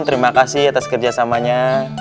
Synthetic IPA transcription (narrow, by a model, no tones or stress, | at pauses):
t̪əɾimakasɪhat̪askərd͡ʒasamaɲa